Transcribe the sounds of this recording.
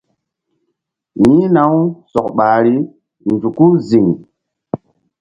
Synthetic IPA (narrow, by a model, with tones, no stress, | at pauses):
jĩ˦na˨˦wsɔ̰˨kɓaː˨ɾi˦ | nd͡ʒu˨ku˦zi˨ŋ